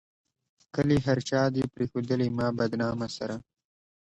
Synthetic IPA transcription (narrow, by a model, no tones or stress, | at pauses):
kəleɦaɾt͡ʃɑːd̪epɾexod̪əlemɑːbad̪nɑmasaɾa